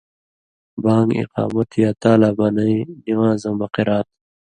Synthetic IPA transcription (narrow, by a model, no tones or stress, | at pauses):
baːŋɡḭqɑ̰ːmɐt̪ʰjaːt̪aːlaːbanɐidiwãːzɐmbɐqiɾaːt̪̚